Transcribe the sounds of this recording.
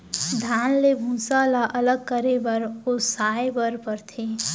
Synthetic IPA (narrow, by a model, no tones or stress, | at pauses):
d̪ʱaːnlebʱũːsaːlaʔɐləɡ̚kəɾebəɾosaːebəɾpəɾt̪ʰeː